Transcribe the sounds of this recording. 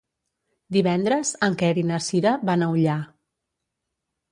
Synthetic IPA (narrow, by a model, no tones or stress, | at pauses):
d̪iβɛnd̪ɾəzəŋkɛɾinəsiɾəβanəuʎa